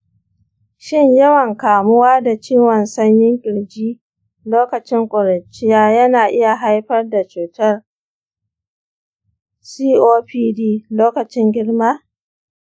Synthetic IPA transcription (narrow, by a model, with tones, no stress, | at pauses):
ʃɪ˦ɲjɐ˦wɐ˨ŋkaː˨mʊ˦waː˦da˨t͡ʃiː˦wɔ˨nsɐ˦ɲjɪ˦ŋkʲʼɪ˨ɽd͡ʒiː˦ | loː˦kɐ˨t͡ʃɪ˦ŋkʷʼʊ˨ɾɐ˨t͡ʃːɪ˦jaː˦jɐ˦naː˨ʔɪ˦ja˨ɦa˦jɸɐ˦rda˨t͡ʃuː˨tɐ˦r | siː˦ʔoː˦ɸiː˦diː˦loː˦kɐ˨t͡ʃɪ˦ŋɡʲɪ˦ɽmaː˦